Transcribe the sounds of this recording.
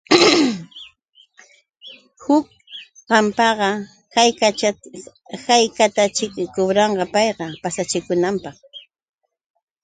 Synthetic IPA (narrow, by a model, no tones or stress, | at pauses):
hʊk̚ | ɢɑmpɑɢɑ | kaj | kajkat̪at͡ʃɪkkʊbɾɑɴɢɑpɑjqɑpasat͡ʃɪkʊnampɑχ